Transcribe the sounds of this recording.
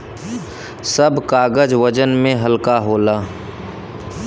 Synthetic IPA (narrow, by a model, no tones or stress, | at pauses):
səbkaːɡəd͡ʒʋəd͡ʒənmẽɦəlkaɦoːlaː